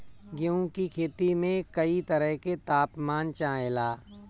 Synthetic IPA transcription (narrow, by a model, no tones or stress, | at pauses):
ɡjõːkikʰeːt̪imẽkɐit̪əɾəɦket̪aːpmaːnt͡ʃãːɦelaː